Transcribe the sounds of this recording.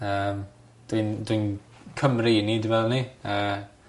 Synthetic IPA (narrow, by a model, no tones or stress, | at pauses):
əːm | d̥windwin | kʰəmrinidivɛlˠnia